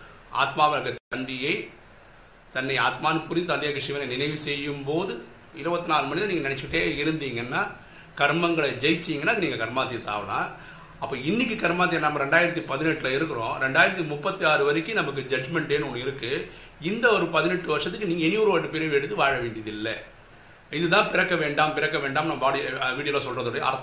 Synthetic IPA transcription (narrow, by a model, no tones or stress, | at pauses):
ʔa̰ːt̪maːʋɐɐkːɐt̪ɐnd̪ɪjɐɪ | t̪ɐnːɐɪaːt̪maːnɯpʊɾit̪ɐnd̪jaːkːɐʂɪʋɐnɐɪnɪnɐɪʋɯsɛjːɯmpoːðɯ | ɪɾɯbɐt̪ːɪnaːɾɯmɐɳɪðãniːŋɡɐnɪnɛt͡ʃːkɪʈːeːɪɾɯnd̪iːŋɡɐnːaː | kɐɾmɐŋɡɐɭɐd͡ʒɛjt͡ʃːiːŋɡɐnːaːniːŋɡɐkɐɾmaːt̪ːɪjɐt̪a̰ːʋɐlã̰ː | ɐpːoːɪnːɪk̬ːɯkɐɾmaːt̪̬ːɪjɐnɐmːɐɾɛɳɖaːjɪɾɐt̪ːipɐðɪnɛʈːlaːɪɾɯkːɯɾõːɾɛɳɖaːjɪɾɐt̪̬ːimʊpːɐt̪ːiaːɾɯʋɐɾɪkːɯnɐmɐk̬ːɯd͡ʒɐd͡ʒmɛɳʈeːnɔnːɪɾɯkːɯ | ɪnd̪ɐɔɾɯpɐðɪnɛʈːɯʋɐɾʂɐt̪̬ːɯkːɯniːŋɡɐɛnɪjuːɾɯʋaʈːɯpeːɾɐɛɽɯt̪ːɯʋaːɻɐʋeːɳɖiɪðɪlːɐ̰ | ɪðɯt̪ãːpɪɾɐkːɐʋeːɳɖaːmpɪɾɐkːɐʋeːɳɖaːmnɐmːɐbaːɽɪjɐʋiːɽɪjɐloːsɔlrɐðoːɽɐj̰ɐ̰ɾt̪